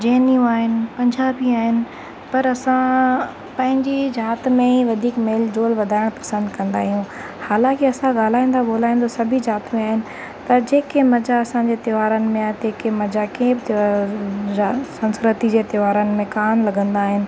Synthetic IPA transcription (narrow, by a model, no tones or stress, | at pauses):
d͡ʑeːnijũaːɦɪnɪ̆pɐ̃ɲd͡ʑaːbiaːɦɪnɪ̆ | pɐɾɐsã | pɐ̃ɦɪ̃ɲd͡ʑid͡ʑaːt̪mẽiʋɐd̪ʱiːkmeːld͡ʑoːlʋɐd̪ʱaːɪɽ̃pɐ̥sə̃nd̪ʱkɐ̃nd̪aːɦijũ | haːlãːkɪɐsãɠaːl̤aːĩːnd̪aboːlaːĩnd̪osɐbʱid͡ʑaːt̪mẽaːɦɪnɪ̆ | t̪ɐd͡ʑeːkemɐd͡ʑaɐsãɲd͡ʑeːt̪ɪʋaːɾənɪ̆mẽat̪eːkemɐd͡ʑakẽːbɪt̪ː | asɐ̃nskɾət̪id͡ʑeːt̪ɪʋaːɾənɪ̆mẽkaːnlɐɡə̃nd̪aːɦɪnɪ̆